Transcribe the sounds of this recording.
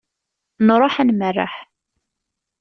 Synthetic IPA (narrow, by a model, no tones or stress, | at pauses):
nɾˤoħænmərːa̰ħ